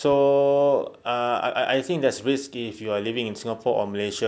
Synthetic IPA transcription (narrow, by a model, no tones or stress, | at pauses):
so | aa̰ʔa̰ʔa̰jθʰĩŋk̚dɛtsɹiskifjualivĩŋĩnsĩŋapʰɔʔɔ̰məleʃə